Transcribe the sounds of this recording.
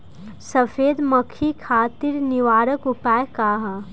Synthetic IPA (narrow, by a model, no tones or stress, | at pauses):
səfʰeːd̪məkʰikʰaːt̪iɾnɪʋaːɾəkʊpaːekaːɦa